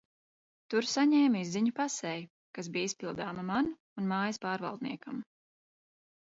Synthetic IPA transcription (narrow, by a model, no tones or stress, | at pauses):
t̪uɾsaɲɛːmʲizziɲupasɛj | kas̬biːjispilˠd̪aːmaman | unmaːjɐspaːɾva̰lˠd̪̚nḭɛkam